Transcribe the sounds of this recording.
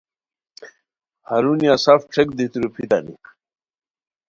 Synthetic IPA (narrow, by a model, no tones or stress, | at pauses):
haɾunijasafʈ͡ʂʰekd̪it̪uɾupʰit̪a̰nḭ